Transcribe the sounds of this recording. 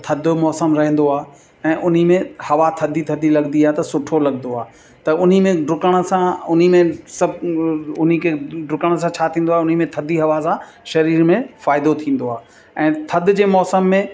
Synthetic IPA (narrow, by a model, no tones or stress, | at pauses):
t̪ʰɐd̪ʊmɔːsəmɾɐɦɛ̃n̆d̪oaːɦ | ɛ̃ːʔʊn̤imẽhɐʋat̪ʰɐd̪ʱit̪ʰɐd̪ilɐɡnd̪iaːɦet̪ɐsʊʈʰolɐɡ̚nd̪oaː | t̪ɐʊn̤imẽɖʊkəɽ̃̆sãʊn̤imẽsɐbʱʊn̤ikʰeɖʊkəɽ̃s̬ãt͡ɕʰaːt̪ʰĩːn̆d̪oaːeʊn̤imẽt̪ʰɐd̪ʱiɦɐʋas̬ã | ʃɐɾiːɾmẽfaːɪd̪ot̪ʰĩːn̆d̪oaː | ɛ̃ːt̪ʰɐd̪ʱɪ̆d͡ʑeːmɔːsəmːẽ